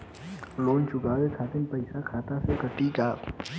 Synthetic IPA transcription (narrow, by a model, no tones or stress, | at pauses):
loːnt͡ʃʊɡaːwekʰaːt̪ɪnpɐɪsakʰaːt̪asekət̪ikaːk